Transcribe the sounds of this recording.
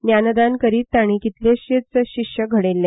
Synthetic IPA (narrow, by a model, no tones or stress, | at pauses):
njanəd̪ankəɾiːt̪ːaɽ̃ikit̪leɕet͡səɕikɕjəɡʱəɽelːe